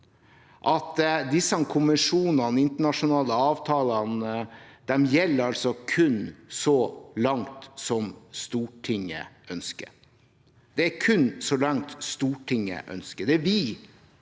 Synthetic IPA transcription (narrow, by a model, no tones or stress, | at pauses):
ʔɑt̪d̪ɪsːɑnkʰʊməʂuːnɑnɪnt̪əɳɑʂʊnɑːləɑːʋt̪ʰɑːlɑnd̪̥ɛmjɛlːəɾɑlsɔkʰʉnsɔlɑŋt̪sɔmst̪uːʈʰɪŋːə̰ʔœnskə̰ɾ | d̪̥ɛækʰʉnsɔlɑŋt̪st̪uːʈʰɪŋːə̰ʔœ̰nskəd̪ɛʋɪ